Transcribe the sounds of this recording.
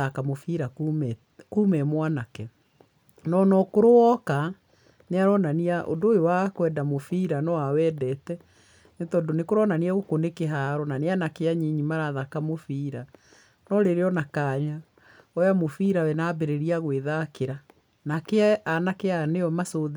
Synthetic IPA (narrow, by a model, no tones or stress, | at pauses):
akamofiɾa | kuːmɛmwanakɛ | nɔnɔkoɾowɔka | neaɾɔnaniaʔo̰ndoːjowakwɛdamofiɾanɔwawɛːdɛtɛ | netɔdonekoɾɔnaniaɣokonekeɦaɾɔnaneanakeaɲiɲimaɾaðakamofiɾa | nɔɾeɾeɔnakaɲa | ɔjamofiɾawɛnabeɾeɾiaɣweðakeɾa | nakeaanakeaneɔmasoð